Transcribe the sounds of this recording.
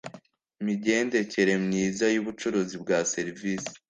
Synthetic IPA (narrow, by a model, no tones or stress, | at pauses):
imiɟe̞ːnde̞ce̞ɾe̞mɲiːzajuβut͡ʃuɾuzibɡaːse̞ɾiviːsi̥